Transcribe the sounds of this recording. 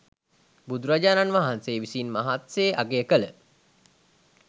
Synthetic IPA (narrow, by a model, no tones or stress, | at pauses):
bud̪uɾad͡ʒaːnanʋaɦanseːʋisiːnmaɦat̪seːʔaɡeəkələ